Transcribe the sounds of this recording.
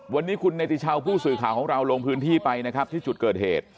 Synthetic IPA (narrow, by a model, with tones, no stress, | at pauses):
wa˧nːiː˦˥kʰu˧nːa˧t̪i˨˧t͡ɕʰa˧wpʰuː˥˩sɯː˨˩kʰaː˨˩wkʰɔː˩˦ŋɾa˧wlo˧ŋpʰɯː˦˥nt̪ʰiː˥˩pa˧jna˦˥kʰɾa˦˥p̚t̪ʰiː˥˩t͡ɕu˨˩t̪̚kɤː˨˩t̪̚hḛː˨˩t̪̚